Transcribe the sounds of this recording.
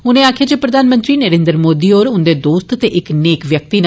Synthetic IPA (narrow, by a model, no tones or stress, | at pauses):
ʊnẽːaːkʰjaːd͡ʒepɾəd̪ʱaːnmə̃nt̪ɾiːnəɾẽːnd̪ɾmoːd̪iːoːɾʊnd̪eːd̪oːst̪t̪eʔɪkneːkʋjək̚t̪iːn